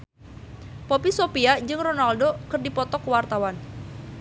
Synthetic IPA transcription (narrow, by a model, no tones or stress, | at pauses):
pɔpisopiad͡ʒɨŋronaldokɨrdipɔt̪ɔkəwart̪awan